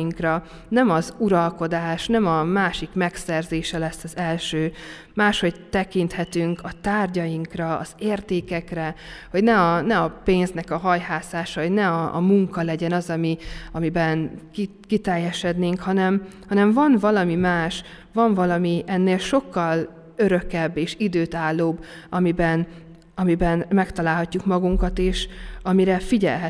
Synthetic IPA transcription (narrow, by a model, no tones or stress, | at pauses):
iŋkrɒ | nɛmɒzuɾɒlko̞d̪aːʃnɛmɒmaːʃikmɛksɛrzeːʃɛlɛsːɒzɛlʃøː | maːʃho̞ɟt̪ɛkint̪hɛt̪yŋkʰɒt̪aːrɟɒjiŋkrɒ̰ːz̥eːrt̪eːkɛkrɛho̞ɟnɛɒnɛɒpeːnznɛkɒɦɒjɦaːsaːʃɒo̞ɟnɛɒ̰ːmuŋkɒlɛɟɛnɒzɒmiɒmibɛnki | kit̪ɛjːɛʃɛd̪neːŋkhɒnɛmhɒnɛɱmvɒnvɒlɒmimaːʃ | vɒɱvɒlɒmiɛnːeːlʃo̞kːɒl | øɾø̞kɛbːeːʃid̪øːt̪aːlːoːbː | ɒmibɛn | ɒmibɛnmɛkt̪ɒlaːlɦɒcːukmɒɡuŋkɒt̪eːʃɒmiɾɛfiɟɛ̰lɦɛ